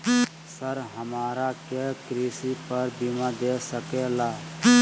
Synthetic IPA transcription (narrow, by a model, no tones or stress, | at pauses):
səɾɦəmaːɾakekɾisipəɾbimad̪esəkelaː